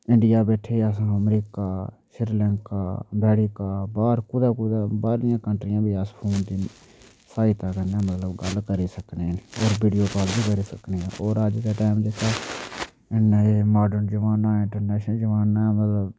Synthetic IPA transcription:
ɪɳɖɪjaːbɛːʈʰeːəs̬ãːəmɾiːkaː | ʃɪɾlɛ̃ːŋkaːbɛːɽiːkaːbaːɾkʊd̪aːkʊd̪aːbaːɾɪjãːkəɳʈɾɪjãːbʱiːaspʰoːnt̪iː | saːit̪aːkənãːmət̪ləbɡəlkəɾiːsəkneːnoːɾbiːɖijoːpaːlbiːkəɾiːsəkneːãoːɾəd͡ʒk̪aːʈaːmd͡ʒet̪aː | ɪnaːemaːɖənd͡ʒəʋaːnaːɪ̃ɳʈəɾnɛːʃnəld͡ʒəʋaːnaːmət̪ləb

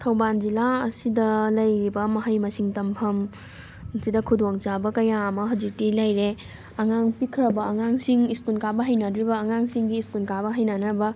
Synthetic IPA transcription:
tʰɐwband͡ʒilaɐsidɐlɐjɾibɐmɐɦajmɐsiŋtɐmpʰɐm | sidɐkʰudoŋt͡ʃabɐkɐjaɐmɐɦawd͡ʒik̚tilɐjɾe | ɐŋaŋpikʰɾɐbɐːŋaŋsiŋiskunkabɐɦɐjnɐdɾibɐːŋaŋsiŋɡiːskunkabɐɦɐjnanɐbɐ

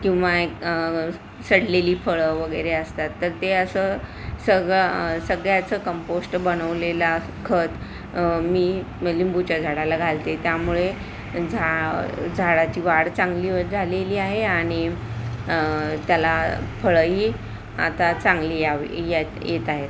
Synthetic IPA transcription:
kĩw̃ʋak | səɽleliːfəɭəʋəɡəjɾeəst̪at̪ːəɾt̪eəsəsəɡɭəsəɡɭjat͡səkəmposʈbənəʋlela | kʰət̪ | miː | limbut͡ɕad͡zʱaɽalaɡʱalt̪et̪jamuɭe | d͡zʱad͡zʱaɽat͡ɕiːʋaɽt͡sãŋɡliːʋəɾd͡zʱaleliːaɦeaɽ̃i | t̪jalafəɭəɦiː | a̰t̪at͡sãŋɡliːaʋḭjet̪jet̪aɦet̪

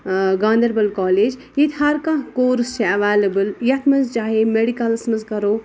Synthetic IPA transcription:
ɡãːnd̪əɾbɐlkɔːleːd͡ʒ | jit̪ʰɦaɾkãkoːɾst͡ʃʰeɐʋaːləbəljɐt̪ʰmɐzt͡ʃaːɦemeɽikɐlsməzkɐɾoː

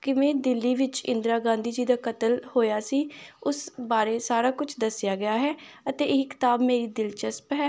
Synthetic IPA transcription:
kɪmɛ̃ːd̪ɪlːiːʋɪt͡ʃɪ̰̃nd̪ɾaːɡãːnd̪iːd͡ʒiːd̪aːkət̪əlhoːjaːsiːʊsbaːɾeːsaːɾaːkʊt͡ʃʰd̪əsɪjaːɡɪjaːɦɛːət̪eːɪkɪ̥t̪aːbmeːɾiːd̪ɪlt͡ʃəspɦɛː

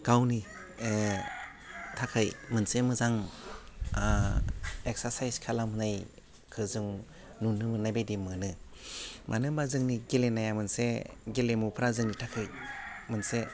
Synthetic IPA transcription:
ɡ̥awni | tʰakʰɯjmɯnsemɯzaŋ | ek̚saɾsajskʰalamhɯnaj | kʰɯzɯŋ | nunːɯmɯnajbejdimɯnɯ | mʔanɯmbazɯŋniɡelenajamɯnseɡelemupʰɾazɯŋnitʰakʰɯjmɯnse

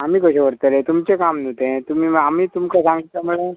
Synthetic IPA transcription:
amiːkəɕẽʋəɾt̪əlẽt̪umt͡sekamnut̪ẽt̪umiːamiːt̪umkasãŋɡit̪jamuɭe

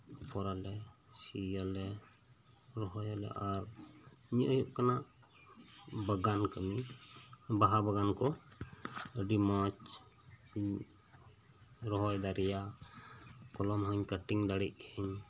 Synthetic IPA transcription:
kɔɾalɛ | sijalɛ | ɾɔɦɔjalɛ̰ʔaɾɲiʔəjuʔkanaʔ | bəɡankəmi | baɦabaɡankɔ | əɖimãt͡ʃ | ɲ | ɾɔɦɔjd̪aɾɛja | kɔlɔmɦəɲkəʈiŋd̪aɽic̚ɛɲ

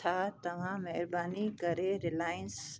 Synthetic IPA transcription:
at̪ɐʋãːmɛɦɾbaːnikɐɾeɾɪlaːjəns

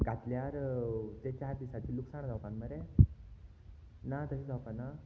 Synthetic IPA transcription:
ɡat̪ljaɾt̪et͡ɕaɾd̪isat͡ɕ̪iːluksaɽ̃d͡zawpãnməɾe | nat̪əsid͡zawpana

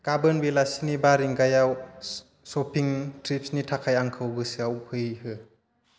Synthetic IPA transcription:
ɡ̥abɯnbelasinibaɾiŋɡajaw | sɔpʰiŋtɾipsnitʰakʰajaŋkʰɯwɡɯsɯawpʰɯjhɯ

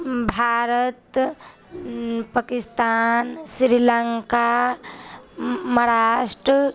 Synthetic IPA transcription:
bʱaːɾət̪ | pakist̪ansɾilaŋka | mɾaʂʈɾə

